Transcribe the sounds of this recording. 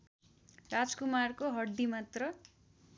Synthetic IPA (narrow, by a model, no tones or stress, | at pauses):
rad͡zkumarkoɦʌɽːimat̪rʌ